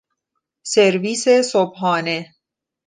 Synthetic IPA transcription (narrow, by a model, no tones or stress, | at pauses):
seɾviːsesobɦɑːne